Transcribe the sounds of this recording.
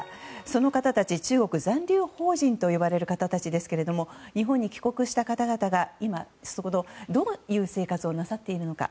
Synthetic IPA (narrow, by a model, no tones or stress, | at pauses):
so̞no̞kat̪at̪at͡ɕit͡ɕɨːɡo̞kɯ̟zãnɾʲɨːho̞ːʑĩnt̪o̞jiβaɾe̞ɾɯ̟kat̪at̪at͡ɕid̪e̞sɨ̥ke̞ɾe̞d̪o̞mo̞ɲ̟iɦõ̞ɲ̟ːikʲi̥ko̞kɯ̟ɕi̥t̪akat̪aɡat̪aɡaima | sokod̪o̞d̪o̞jɯ̟ːse̞ːkat͡sɨo̞nasat̪ːe̞iɾɯ̟no̞ka̰